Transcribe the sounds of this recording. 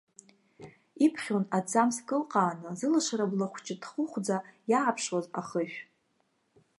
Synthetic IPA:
ipʰχʲonad͡zamskʼɨlqʼaːnɨzɨlaʂaɾablaχʷt͡ʃʼɪdχʊχʷd͡zajaːpʰʂwazaχəʃᶣ

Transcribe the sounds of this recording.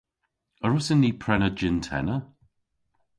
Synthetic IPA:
əɹʊsənːiːpʰɹɛnəd͡ʒɪntʰɛ̰nə

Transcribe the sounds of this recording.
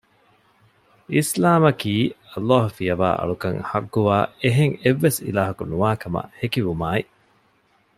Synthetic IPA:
ʔislaːmɐkiːɐlːaːɦufijɐʋa̰ːʔɐ̰ɭukɐŋhɐɡːuʋaːeɦeŋeʋːesḭlaːɦɐkunuʋaːkɐmɐ̰hekiʋumaːi

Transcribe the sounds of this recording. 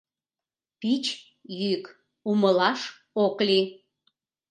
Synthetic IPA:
pit͡ɕ | jyk | uməlɑʃ | okli

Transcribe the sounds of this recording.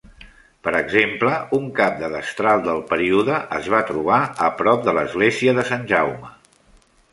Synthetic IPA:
pəɾəɡzempləuŋkap̚d̪əðəst̪ɾalˠd̪əlˠpəɾiuðəʔəzβ̞at̪ɾuβ̞aəpɾɔp̚d̪ələzɣleziəðəsanʲʒawmə

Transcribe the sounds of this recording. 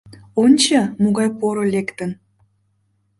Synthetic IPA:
onʲt͡ɕɑmoɣɑjpoɾolekt̪ən

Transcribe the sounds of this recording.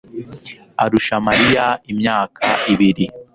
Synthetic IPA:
aɾuʃamaɾijaimɲaːkʰaiβiɾi

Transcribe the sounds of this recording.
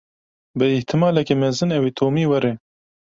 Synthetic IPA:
bɨɪht̪ʰɨmɑːlɛkeːmɛzɨnɛwet̪ʰoːmiːwɛɾe

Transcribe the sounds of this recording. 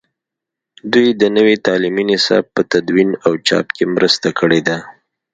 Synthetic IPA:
d̪ujd̪ənəwet̪ɑliminɪsɑ̰b̚pət̪ad̪winawt͡ʃɑ̰pkemɾəst̪akəɽed̪a

